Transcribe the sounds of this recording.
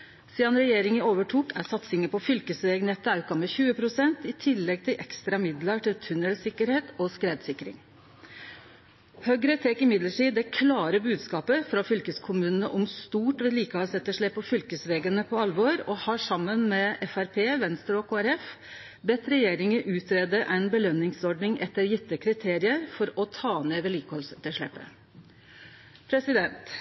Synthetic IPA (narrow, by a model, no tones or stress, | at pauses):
siːɑnɾɛjeːɾɪŋəoːʋəʈʰuːkʰæ̰sɑt̪sɪŋəpɔfʏlkəsʋeːɡnɛt̪ːəɑʉkɑmɛçʉːəpʰɾʊsɛnt̪ɪt̪ʰɪlːɛɡ̚t̪ʰɪlʔɛkst̪ɾɑmɪd̪ləʈɪlt̪ʰʉnəlsɪkəɾheːt̪ɔskɾeːd̪sɪkːɾɪ̰ŋ | hœɡɾət̪ʰɛkɪmɪd̪ləʈiːd̪ɛkʰlɑːɾəbʉːd̪skɑːpəfɾɑfʏlkəskʰʊmʉːnənəʔɔmst̪uːʈʋɛliːkəhɔlsɛt̪ːəʂɭɛpːɔfʏlkəsʋeːɡənəpʰɔɑlʋɔɾɔhɑːʂɑmːənmɛɛfæɾpʰeːʋɛnst̪ɾɔkʰoːæɾɛf | bɛt̪ːɾɛjeːɾɪŋəʔʉːt̪ɾeːd̪əʔæɪnbəlœnːɪŋsɔɖɳɪŋɛt̪ːəɾjɪt̪ːəkʰɾɪt̪ʰeːɾɪəɾfɔɾɔt̪ʰɑːneːʋɛliːkəhɔlsɛt̪ːəʂɭɛ̰pːə̰ | pʰɾɛsɪd̪ɛnt̪